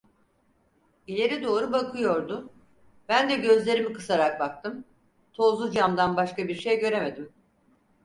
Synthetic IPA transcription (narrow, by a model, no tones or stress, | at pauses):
ilʲe̞ɾid̪o̞ːɾubakʰɯjo̞ɾd̪ʊ | b̥ænd̪ɛɟø̞zlʲe̞ɾimikɯ̥saɾak̚bak̚t̪ʰɯm | t̪ʰo̞zud͡ʒamd̪anbaʃkabiɾʃejɟø̞ɾe̞me̞d̪im